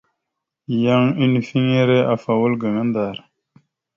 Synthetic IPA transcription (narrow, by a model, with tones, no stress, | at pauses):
ja˦ŋi˦ni˨fi˦ŋe˦ɾe˦ʔa˨fa˨wu˦lɡə˨ŋɐ˦nd̪aːɾ